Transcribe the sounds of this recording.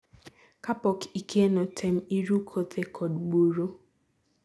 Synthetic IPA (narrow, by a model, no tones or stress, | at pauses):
kapɔkikʰenɔtʰɛm̩iɾukʰɔt̪ekʰɔdɡ͡boɾo